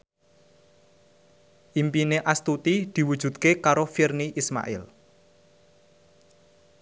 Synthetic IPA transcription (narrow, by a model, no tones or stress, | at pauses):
ʔimpineʔast̪ut̪id̪̥i̤wud̥ʒ̥ṳd̪̚kekaɾofirniʔisma̰ʔɪ̰l